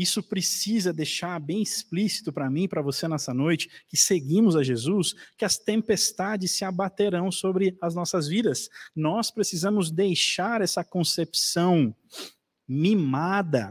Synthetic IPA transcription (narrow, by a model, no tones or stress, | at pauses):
isʊpɾesizɐd̪ejʃaɾbẽj̃isplisi̥t̪ʊpɾɐmĩpɾɐvosenɛsɐnojt͡ʃɪ̥kɪseɡĩmʊzɐʒezuskɪɐst̪ẽmpest̪ad͡ʒɪsːɪabat̪eɾɐ̃w̃sobɾɪɐznɔsɐzvid̪ɐsnɔspɾesizɐ̃mʊzd̪ejʃaɾɛsɐkõsepsɐ̃w̃ | mimad̪ɐ